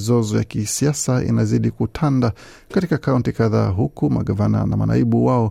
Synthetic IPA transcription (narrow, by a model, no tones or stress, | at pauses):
zɔzɔja̰kisiasaḭnaziɗikutʰanda | katikakauntikaðaːɦukuma̰ɠavana̰nama̰na̰iɓuwaɔ